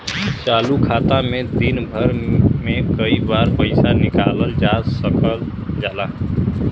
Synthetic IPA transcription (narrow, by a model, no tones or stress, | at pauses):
t͡ʃalukʰat̪amed̪inbʱəɾmekəibaɾpəɪsanikaləld͡ʒasəkəl | d͡ʒala